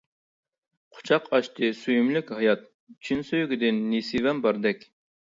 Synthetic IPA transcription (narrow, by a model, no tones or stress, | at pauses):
qʰʊ̥t͡ʃʰɑqɑʃt̪ʰɨsyjymlykʲhɑjɑt̪ | t͡ʃʰinsøjyɡʲid̪ɪnːisivɛmbɑɾd̪ɛkʲ